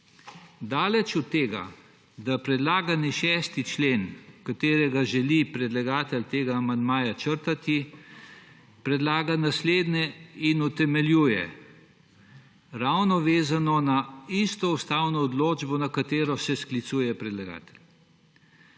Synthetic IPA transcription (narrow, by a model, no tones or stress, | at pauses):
d̪aːlɛt͡ʃut̪ːeːɡa̰ | d̪apɾɛd̪laːɡaniʃɛst̪it͡ʃleːnkat̪eːɾɛɡaʒɛlipɾɛd̪laɡaːt̪ɛlt̪eːɡamand̪maːjat͡ʃəɾt̪at̪i | pɾɛd̪laːɡanasleːd̪nɛinut̪ɛmɛljuːjɛ̰ | ɾawnɔʋeːzanɔnaist̪ɔust̪awnɔːd̪loːd͡ʒbɔnakat̪eːɾɔsɛsklit̪suːjɛpɾɛd̪laɡa̰ːt̪ɛ̥lʲ